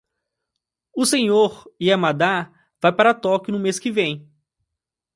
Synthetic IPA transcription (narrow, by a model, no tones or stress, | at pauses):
ʊsẽɲoɾiamad̪a | v̥ajpaɾɐt̪ɔkɪnʊmeskɪvẽj̃